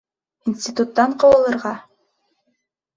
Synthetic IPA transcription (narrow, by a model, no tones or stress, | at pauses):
insʲtʲit̪ut̪ːɑɴqŏlˠɤ̆lˠɤ̆ɾʁɑ